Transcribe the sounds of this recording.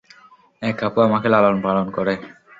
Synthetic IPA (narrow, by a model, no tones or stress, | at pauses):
ɛkapoamakʰelalonpalonkɔɾe